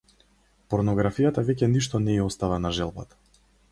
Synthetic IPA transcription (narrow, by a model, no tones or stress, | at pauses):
pɔɾnɔɡɾafijat̪avɛcɛniʃt̪ɔnɛiɔst̪avanaʒɛlˠba̰t̪